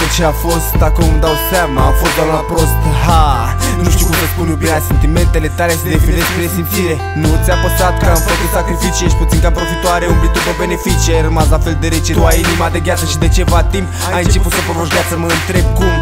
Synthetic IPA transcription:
t͡ʃeafo̞st̪d̪akəumd̪awsʲamaːfo̞st̪d̪owamnəpɾost̪ɦa | nuʃt̪iukumsəspunjubiɾease̞nt̪ime̞nt̪e̞le̞t̪alesed̪efineʃpɾesimt̪siɾe̞ | nut̪sʲjapəsat̪kəamfəkut̪sakɾifit͡ʃieʃput̪siŋkapɾofit̪oaɾeumblit̪ɾubəbe̞ne̞fit͡ʃieɾəmaslafe̞lud̪eɾet͡ʃet̪uajinimad̪e̞ɡʲjat̪səʃid̪e̞t͡ʃe̞vat̪ːimp | ajɨnt͡ʃe̞put̪səpɾovoʃɡʲat̪səməɨnt̪ɾe̞b̚kum

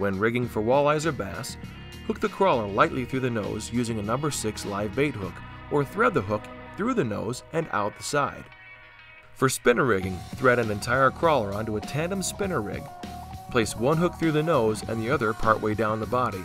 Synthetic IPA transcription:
wɨ̃nɹɪɡɪ̃ŋfə˞wɔlˠaɪzə˞bæ̰s | hʊk̚ðɨkʰɹ̥ɔlˠə˞laɪʔˡliθɹʉðɨnoʊzjʉzɪ̃ŋɨnʌ̃mbə˞sɪkslaɪveɪt̚hʊkʔə˞θɹɛd̪̚ðəɦʊkθɹʉðɨno̰ʊzɨ̃na̰ʊt̪̚ðəsaɪd̥ | fə˞spɪ̃nə˞ɹɪɡɪ̃ŋθɹɛɾɨ̃nɨ̃ntʰaɪə˞kʰɹ̥ɔlˠə˞ʌ̃ntuətʰæ̃ndə̃mspɪ̃nə˞ɹɪ̰ɡpʰl̥eɪswʌ̃nɦʊk̚θɹʉðɨnoʊzɨ̰̃nðiʌðə˞pʰɑɹʔweɪdãʊ̃nðəbɑɾi

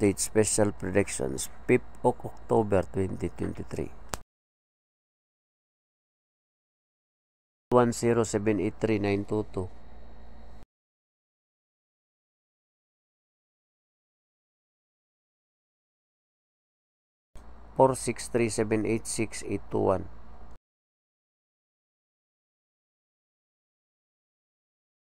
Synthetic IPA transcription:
t̪et̪spɛʃalpɾɔd̪ɛkʃɔ̰nspip̚ɔkɔk̚t̪obɛɾt̪wɛnt̪it̪wɛ̰nt̪it̪ɾḭ | t̪wansiɾosɛbɛnit̪ːɾinajnt̪ut̪u | pɔrsikst̪ɾisɛbɛnet̪siksit̪ṵa̰n

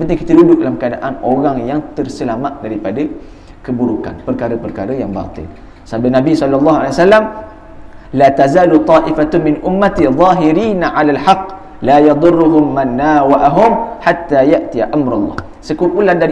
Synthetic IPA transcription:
pənt̪ɪŋkit̪ədudʊk̚dalamkəadaʔanoɾaŋjaŋt̪ərsəlamat̪̚daɾipada | kəbuɾuka̰npərkaɾəpərkaɾəjaŋba̰t̪ɪ̰l | səabdanabisɔlalːɑɦua̰lewasalːam | lat̪azaːlut̪ˤɑːʔifat̪mɪnʔʊmːat̪iðˤɑːɦɪɾiːnaʕalalħɑqː | lajɑd̪ˤʊrːʊɦʊmːanːawaʔaɦʊmħat̪ːajaʔt̪iaʔamɾalˤːɑ̰h | səkululanda

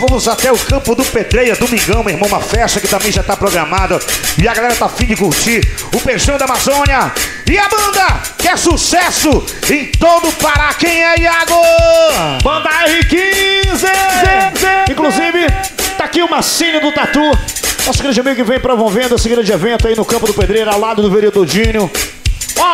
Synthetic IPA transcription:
vɐ̃mʊzat̪ɛʊkɐ̃pʊd̪ʊped̪ɾejɐd̪omĩŋɡɐ̃w̃meiɾmɐ̃w̃ũmɐfɛʃt̪ɐkɪt̪ɐ̃mbẽj̃ʒat̪apɾoɡɾɐmad̪ɐɪɐɡalɛɾɐt̪afĩd͡ʒɪkuht͡ʃi | ʊpeɾʃɐ̃w̃d̪ɐamazõnjɐ | ɪabɐ̃nd̪ɐ | kɛsusɛsʊ | ẽj̃t̪od̪ʊpaɾɐkẽj̃ɛiaɡo | bɐ̃nd̪aɛikĩzɪzĩkluzivɪ | t̪akiʊmasĩnʊd̪ʊt̪at̪unɔsʊɡɾɐ̃d͡ʒɪamiɡʊkɪvẽj̃pɾovõvẽnd̪ʊɛsɪɡɾɐ̃d͡ʒɪevẽnt̪ʊainʊkɐ̃pʊd̪ʊped̪ɾejɾʊawlad̪ʊd̪ʊveɾiod̪od͡ʒĩnʊ | ɔ

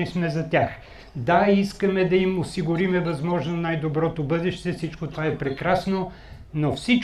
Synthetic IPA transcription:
ismɛzɐt̪ʲjax | d̪aiskəmɛd̪ɐimosiɡʊɾimɛvɐzmɔʒnonajd̪obɾɔt̪obɤd̪ɛʃt̪ɛfsit͡ʃkot̪vaɛpɾɛkɾasno | nofsit͡ʃ

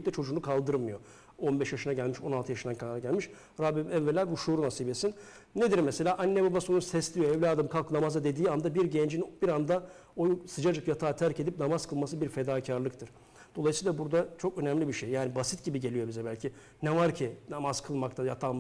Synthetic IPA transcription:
c̚t̪ʲɛt͡ʃʰo̞d͡ʒuːnukʰalˠd̪ɯɾmɯjo | o̞nbɛʃjaʃɯnaɟælʲmiʃo̞nalˠt̪ʰɯjaʃɯnd̪ankʰanaɾaɟælʲmiʃ | ɾabimɛvːelʲæbuʃuːɾunasiːbesin | ned̪iɾmese̞lʲaːʔanːebabasonusɛslʲijo̞ɛvlʲaːd̪ɯmkʰalˠkɯnamazad̪e̞d̪iːand̪abiɾɟend͡ʒinbiɾand̪aojsɯd͡ʒad͡ʒɯkjat̪ʰaːt̪ʰæɾced̪ip̚namazkʰɯlˠmasɯbiɾfed̪aːcʰaɾlˠɯkt̪ʰɯɾ̥ | d̪̥o̞lˠajɯsɯːlˠabuɾd̪at͡ʃʰo̞kø̞næmlʲibiʃejjaːnibasit̪ɟibiɟe̞lʲijo̞bizɛbælʲcʰi | nɛvaɾcʰɪnamaz̥kʰɯlˠmakt̪ʰajat̪ʰaːm

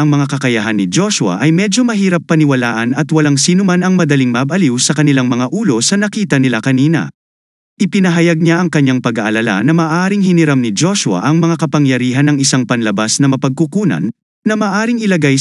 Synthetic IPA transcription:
ɐŋmɐŋakɐkɐjɐɦanːɪd͡ʒo̞ʃʊɐ̰ʔɐjmɛd͡ʒo̞mɐɦiːɾɐpːɐnɪwɐlaːʔɐnɐt̪wɐlaŋsiːnʊmanɐŋmɐd̪ɐliŋmɐbɐliwsɐkɐnɪlaŋmɐŋaʔuːlo̞sɐnɐkiːt̪ɐnɪlakɐniːnɐ̰ | ʔɪpɪnɐɦɐjaɡ̚ɲaʔɐŋkɐɲːaŋpɐɡaʔɐlɐla̰nɐmaːʔaːɾɪŋhɪnɪɾamnɪd͡ʒoʃʊwɐ̰ʔɐŋmɐŋakɐpɐŋjɐɾiːɦɐnɐŋɪsaŋpɐnlɐbasnɐmɐpɐɡ̚kukuːnɐ̰nː | ɐmaːʔaːɾɪiŋɪlɐɡaj

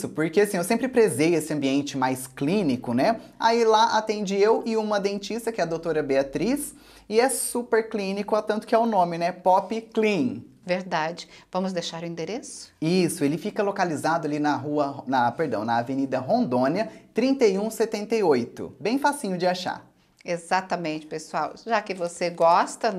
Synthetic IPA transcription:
sʊpoɾkeasĩewsẽmpɾɪpɾezejesɪɐ̃mbiẽnt͡ʃɪmajsklĩnikʊnɛa̰ilaʔat̪ẽnd͡ʒiewʔɪũmɐd̪ẽt͡ʃist̪ɐkɪɛɐd̪owt̪oɾɐbeat̪ɾis | ɪɛsupeɾklĩnikʊat̪ɐ̃nt̪ʊ̥kɪɛʊnõmɪnɛpɔpɪklĩ | veɾd̪ad͡ʒɪvɐ̃mʊzd̪ejʃaɾʊĩd̪eɾesʊ̥isʊelɪfikɐlokalizad̪ʊalinɐɦuɐnɐpeɾd̪ɐ̃w̃nɐːvenid̪ɐɦõnd̪õnɐt̪ɾĩnt̪ejũset̪ẽnt̪ejojt̪ʊ̰bẽj̃fasĩɲʊd͡ʒɪaʃa̰ | ezat̪ɐmẽnt͡ʃɪ̥pesuawʒakɪvoseɡɔst̪ɐ

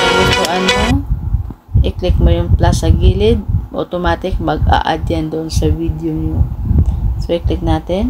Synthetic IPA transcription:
lɪt̪oʔɐnmo | ʔɪklɪk̚mojʊŋplasɐɡiːlɪd̪̚ʔo̰t̪omaːt̪ɪk̚mɐɡa̰ʔa̰d̪jand̪oʔonsɐvid̪joŋjo | soʔɪklɪk̚naːt̪ɛn

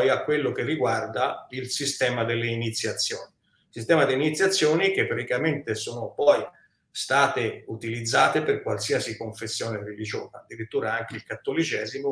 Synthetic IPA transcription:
jakːwelːok̟erːiɡward̪ailsist̪ɛːmad̪elːeinit̪sːjat̪sːjoːni | sist̪ɛːmad̪einit̪sjat̪sːjoːnik̟epːɾat̪ikament̪esoːnopɔj | st̪aːt̪eut̪ilid̪zːaːt̪eperkwalsiasikoɱfesːjoːnerelid͡ʒoːzaːd̪ːiɾit̪ːuːɾaaŋk̟eilkat̪ːolit͡ʃɛːzimo

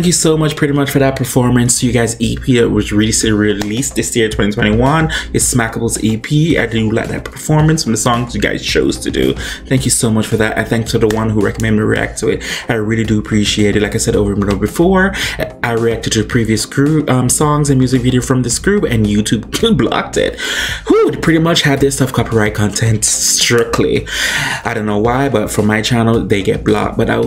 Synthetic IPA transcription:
θæ̃ŋkjɨsoʊmʌt͡ʃpʰɹ̥ɪɾimʌt͡ʃfə˞ðɨt̚pʰə˞fɔɹmɨ̃nsʰjɨɡaɪzipʰiɨwʌzɹɪlˠisɪɾɹilisðɪsjɪɹtʰw̥ɛ̃ñitʰwɛ̃ɾ̃iwʌ̃nɨtsmækəbl̩ˠtʰipʰia̰ɪdɨla̰ɪðɨ̰t̚pʰə̥˞fɔɹmɨ̃nsfɹʌ̃mðəsɔ̃ŋzjɨɡa̰ɪz̥t͡ʃʰoʊz̥tʰɨdʉ̰θæ̃ŋkjɨsoʊmʌt͡ʃfə˞ðætɨ̰̃nθæ̃ŋkstʰɨðəwʌ̃nɦuɹɛ̰kəmɛ̃ndmiɹḭæ̰k̚tʰɨɪt̚aɪɹɪlˠidɨːpʰɹ̥iʃieɪɾɨdlaɪkaɪsɛɾoʊvə˞mnoʊbɨfɔɹʔaɪɹiæk̚tɨd̚tʰɨðɨpʰɹ̥iviɨsɡ̥ɹupʌ̃msɔ̃ŋzɨ̃nmjʉzɨkviɾioʊfɹʌ̃mðɪsɡ̥ɹʉpɨ̃njʉtʰʉbblɑ̰k̚tʰɪ̰t̚hupʰɹ̥ɪɾimʌt͡ʃhɨd̪̚ðɪstʌfkʰɑpiɹaɪt̚kʰɑ̃ntʰɛ̃ntstɹ̥ɪkʰlḭaɪɾõʊ̃nːoʊwaɪbʌtfɹʌ̃mːaɪt͡ʃʰænl̩ˠðeɪɡɛ̰t̚b̥lɑ̰k̚b̥ʌɾa̰ɪ

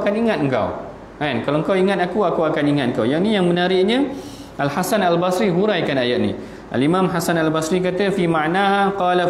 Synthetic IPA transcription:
kaniŋat̪̚ŋ̩ka̰w | ankalawŋ̩kawiŋat̪̚akuakuakaniŋat̪̚əŋ̩kawjaŋnijaŋmə̃naɾɪʔɲə̃ | ʔalhasanalbasɾiɦuɾajkanajaʔ̚nḭ̃ | ʔa̰limãmɦasanalbasɾik̬at̪əfimãʔnahaqɑla

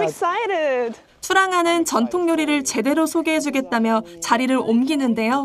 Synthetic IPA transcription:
ksaɪɾɪd̥ | t͡ɕʰuɾaŋɦanɯnt͡ɕʌntʰoŋɲoɾiɾɯɭt͡ɕe̞de̞ɾosʰoɡeɦe̞d͡ʑuɡe̞t̚t͈amjʌt͡ɕaɾiɾɯɾomɡinɯnde̞jo

